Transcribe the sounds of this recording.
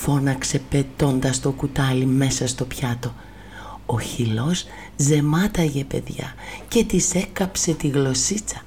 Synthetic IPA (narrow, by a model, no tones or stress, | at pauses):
fo̞nɐkse̞pe̞t̪o̞nd̪ɐst̪o̞kut̪ɐlime̞sɐst̪o̞pçɐt̪o̞ | oçilo̞s | ze̞mɐt̪ɐʝe̞pe̞̰ðʝɐ̰ce̞t̪ise̞kɐpse̞t̪iɣlo̞sit͡sɐ̥